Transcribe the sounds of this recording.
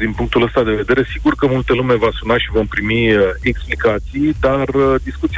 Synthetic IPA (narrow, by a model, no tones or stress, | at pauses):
d̪inpuŋk̚t̪uləst̪ad̪e̞ve̞d̪e̞ɾe̞siɡurkəmult̪əlume̞vasunaʃivo̞mpɾimieksplikat̪sijd̪ard̪iskut̪si